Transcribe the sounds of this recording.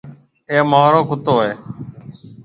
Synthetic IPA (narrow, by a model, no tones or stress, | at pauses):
eːmaːɾõːkʊt̪oːeː